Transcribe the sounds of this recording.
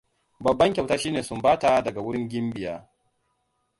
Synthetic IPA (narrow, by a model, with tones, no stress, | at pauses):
bɐ˨bːɐ˦ŋkʲɐ˨wtaː˦ʃiː˦neː˨sʊ˦mbaː˦ta˨dɐ˨ɡa˨wʊ˦ɾɪ˦ŋɡʲɪ˦mbɪ˨jaː˦